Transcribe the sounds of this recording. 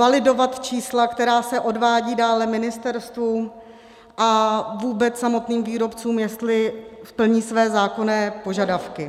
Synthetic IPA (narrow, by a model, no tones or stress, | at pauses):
valɪdo̞vat̪t͡ʃiːslakt̪ɛɾaːsɛʔo̞dvaːɟiːdaːlɛmɪnɪst̪ɛɾst̪vu | ʔavuːbɛt͡ssamo̞t̪niːmviːɾo̞pt͡suːmjɛst̪lɪpl̩ɲiːsvɛːzaːko̞nɛːpo̞ʒadafkɪ